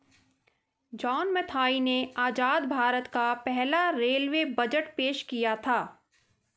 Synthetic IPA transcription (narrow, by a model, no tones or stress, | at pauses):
d͡ʒɔːnmɛt̪ʰaːineaːd͡ʒaːd̪bʱaːɾət̪kapɛɦlaɾeːlʋebɐd͡ʒəʈpeːʃkijat̪ʰaː